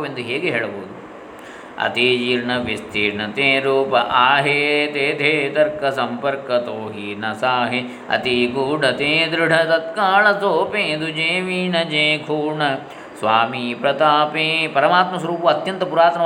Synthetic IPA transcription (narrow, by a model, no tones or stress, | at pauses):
ʋend̪uɦeːɡɦeːɭɐboɦud̪u | ɐ̰t̪iːd͡ʒiːɾɳɐʋist̪iːɾɳɐt̪ẽːɾuːpɐʔaːɦeːt̪eːt̪ʰeːt̪ɐɾkɐsɐmpɐɾkɐt̪oːɦinɐsaːɦi | ɐ̰t̪iɡuːɖɐt̪ẽːd̪ɾɪɖʱɐt̪ɐt̪kaːɭɐt̪oːpẽːd̪ud͡ʒeːʋiːnɐd͡ʒẽːkʰuːɾɳɐ | sʋaːmiːpɾɐt̪aːpẽːpɐɾɐmaːt̪mɐs̬ɐɾuːpɐɐt̪jɐnt̪ɐpuɾaːt̪nɐ